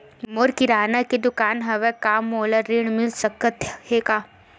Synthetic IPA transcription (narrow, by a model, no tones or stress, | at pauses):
moɾkiɾaːnakid̪ʊkaːnɦɐʋɛkaːmːoːlɐɾiɳmilsɐkːət̪heka